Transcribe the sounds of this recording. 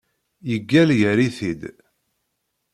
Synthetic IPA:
jəɡːæljəɾiθid̪

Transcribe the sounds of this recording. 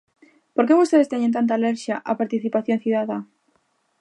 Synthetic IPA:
poɾkeβost̪eðest̪eɲent̪ant̪̬aːleɾʃjaʔapaɾt̪iθipaθjonθiðaða

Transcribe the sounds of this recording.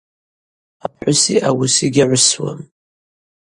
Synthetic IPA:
æpħʊsiʔæwəsiɡʲæʕʷʊswə̰m

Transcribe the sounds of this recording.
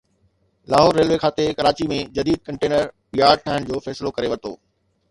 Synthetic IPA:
laːɦoːɾːeːlʋekʰaːt̪ekɐɾaːt͡ɕimẽd͡ʑɐd̪iːd̪̚kɐ̃ɳʈeːnəɾ | ijaːɖʈʰaːɦəñd͡ʑoːfɛːsɪlokɐɾeʋɐt̪o̰ː

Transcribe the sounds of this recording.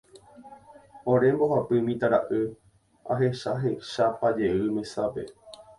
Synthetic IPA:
õɾe̞mboɦapɨmĩt̪aɾa̰ʔɨ | a̰ɦe̞ʃaɦeʃapad͡ʒe̞ɨmẽ̞sape̞̰

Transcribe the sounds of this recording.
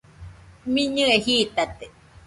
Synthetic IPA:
miɲɨehiːt̪at̪e

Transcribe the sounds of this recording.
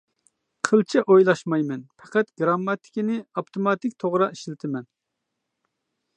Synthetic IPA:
qʰəlˠt͡ʃʰɛʔojlˠɑʃmɑjmɛnpʰɛqɛt̪ɡɾɑmːɑt̪ʰɪ̥kʲɪnɪɑpt̪ʰomɑt̪ɪkʲt̪ʰoʁɾɑiʃlɪt̪ʰɪmɛn

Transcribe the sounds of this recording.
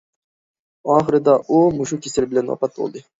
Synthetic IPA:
ɑːχɨɾɯd̪ɑʔoːmuʃukʲʰeselbɪlʲenwɑ̰pɑt̪̚bo̰lˠd̪ɯ

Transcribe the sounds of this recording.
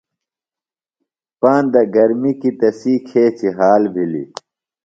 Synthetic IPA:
paːnd̪ɐɡɐɾmikit̪ɐsiːkʰeːt͡ɕiɦaːlbʱilḭ

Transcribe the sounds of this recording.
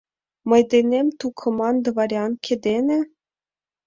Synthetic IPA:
mɤ̆jd̪ʲenʲemʲt̪ukʰɤ̆mɑnd̪ɤ̆vɑɾʲɑnkʲʰĕd̪ʲenʲɘ̆

